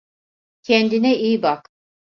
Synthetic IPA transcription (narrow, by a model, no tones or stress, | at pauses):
cʰɛnd̪inɛiːbak